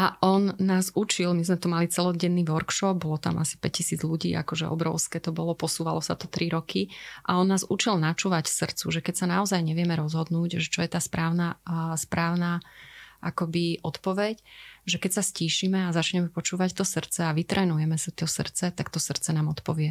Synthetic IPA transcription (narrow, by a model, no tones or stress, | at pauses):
ʔaʔɔnːaːzut͡ʃilmizmɛt̪ɔmalit͡sɛlɔɟɛnːiːʋɔɾkʃɔb̚bɔlɔt̪a̰mʔa̰si̥pɛc̚cːisiːd͡zʎuɟḭːʔa̰kɔʒɛʔɔ̰bɾɔʊskɛːt̪ɔbɔlɔpɔsuːʋalɔsa̰t̪ɔt̪ɾiɾɔkʰiʔa̰ɔnːaːzut͡ʃilnat͡ʃuːʋacsr̩t͡suʒɛkɛcsanaɔzajɲɛʋɪɛmɛɾɔzɦɔd̪nuːɟʒɛt͡ʃɔjɛt̪aːspɾaːʊnaspɾaːʊnaːʔakɔbiʔɔt̪pɔʋɛcʒɛkɛcsasciːʃimɛazat͡ʃɲɛmɛpɔt͡ʃuːʋact̪ɔsr̩t͡sɛaʋit̪ɾʔɛːnujɛmɛsit̪ɔsr̩t͡sɛt̪akt̪ɔsr̩t͡sɛnaːmɔt̪pɔʋɪɛ